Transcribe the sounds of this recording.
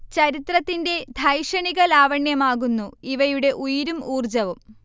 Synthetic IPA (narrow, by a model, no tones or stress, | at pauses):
t͡ɕɐɾit̪rɐt̪ːinde̞d̪ʱɐjʂɐɳiɣɐlaːʋɐɳjɐmaːɣunːuiʋɐjuɽe̞ʔujiɾumuːrd͡ʑɐʋum